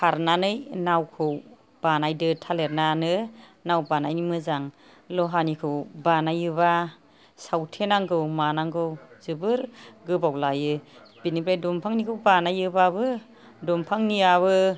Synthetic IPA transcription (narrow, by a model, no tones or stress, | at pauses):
pʰaɾnanɯjnawkʰɯw | b̥anajdɯtʰaleɾnanɯnawbanajnimɯzaŋ | lɔɦanikʰɯwbanajɯβa | sawtʰenaŋɡɯwmanaŋɡɯwzɯbɯɾɡɯbawlajɯ | b̥inibɾajdɔmpʰaŋnikʰɯwbanajɯbabɯ | dɔmpʰaŋniaβɯ